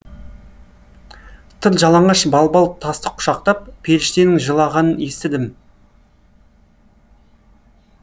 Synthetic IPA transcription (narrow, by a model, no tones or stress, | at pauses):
t̪ʰəlˠʒɑlˠɑɴɑʃbɑlˠbɑl̚ˠt̪ʰɑst̪ə̥qʰʊ̥ʃɑq̚t̪ɑp̚pʰe̞lɪʃt̪enɪŋʒəlˠɑʁɑnəne̞st̪ɪd̪ɪm